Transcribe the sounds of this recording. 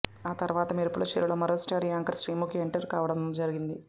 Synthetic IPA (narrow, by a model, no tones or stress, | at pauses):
aːt̪ɐɾuʋaːt̪ɐmiɾepːuɽut͡ʃḭɾuɭɐmɐɾoːsʈaːɾiaːŋkɐɾsɾiːmukieɳʈɐɾkaːʋɐɽɐmd͡ʒɐɾiɡind̪i